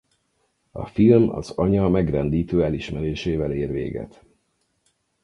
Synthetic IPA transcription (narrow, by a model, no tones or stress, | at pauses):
ɒ̰filmɒ̰zɒɲɒmɛɡrɛnd̪iːt̪øːɛliʃmɛɾeːʃeːvɛleːrʋḛːɡɛ̰t̪